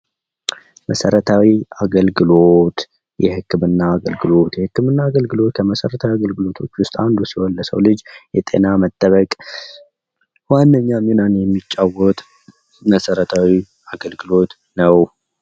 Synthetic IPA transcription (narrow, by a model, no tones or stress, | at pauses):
mʔəsəɾət̪ʰawiaɡəlɡɨlot̪ | jɛhɨkːɨmɨnːaːɡəlɡɨlo̞t̪jɛhɨkːɨmɨnːaːɡəlɡɨlo̞t̪kʰəməsəɾət̪ʰawiaɡəlɡɨlo̞t̪ʰo̞̰t͡ʃːwʊst̪ʼand̪usiwɔlːəsə̰wlɨd͡ʒjɛt̪ʼe̞̰namət̪ʼːəβəkʼ | wanːəɲːamenanjɛmːit͡ʃʼːawɔt̪ʼ | məsəɾət̪ʰawi | aɡəlɡɨlo̞t̪ | nəw